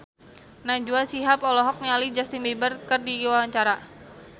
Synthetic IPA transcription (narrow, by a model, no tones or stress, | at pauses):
nad͡ʒuasiɦapɔlɔɦɔk̚nialid͡ʒast̪inbebərkərdiwawaɲt͡ʃaɾa